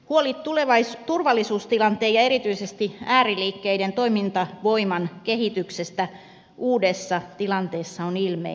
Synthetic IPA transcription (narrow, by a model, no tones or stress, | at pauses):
huolit̪t̪uleʋɑt̪urʋɑlːisuːst̪ilɑnt̪eːjɑe̞ɾit̪yisest̪iæːriliːkːeident̪oimint̪ɑʋo̞imɑnkeɦit̪yksest̪æ | ʔuːdesːɑt̪ilɑnt̪eːsːɑonilmḛ